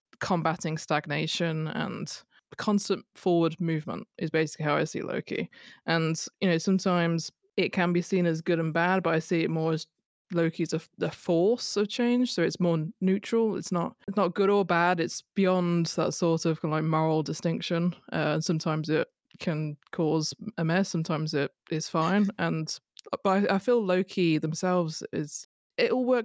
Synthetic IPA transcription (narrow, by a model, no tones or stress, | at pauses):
kʰɒ̃mbatɪ̃ŋstaɡ̚neɪʃə̃nə̰̃n | kʰɒ̃nstə̃nfɔːwəd̚mʉːvmə̰̃ntʔɪzbeɪsɪ̥kliɦaʊa̰ɪsḭlʔə̰ʊkʰḭʔə̃njɨnoʊsʌ̃mtʰãɪ̃mz̥ | ɪʔ̚kʰə̃nbisĩːnəzɡʊɾə̃nbad̚bʌɾaɪsiːɪʔ̚mɔːɹəz | ləʊkʰizəðəfɔˑsəv̥t͡ʃʰẽɪ̃nd͡ʒ̥soʊɨtsmɔːnjʉˑt͡ʃɹ̥əlˠɪ̰tsnət̚ɪtsnət̚ɡ̥ʊɾəbadɪtsb̥ɪjɒ̃nðə̰tsɔɹtəv̥kãlaɪk̚mɔɹl̩ˠdɪstɪ̃ŋkʃə̃nʔʌ̃nsʌ̃mtʰãɪ̃mzɪt | kʰə̃nkʰɔzɛ̃mɛsʌ̃mtʰãɪ̃mzɪtɪz̥fãɪ̃nə̃n | b̥ʌɾaɪʔaɪfiːləʊkʰiðə̃msɛlˠvz̥ɪ̰z̥ | ɪʔl̩ˠwɜˑk̚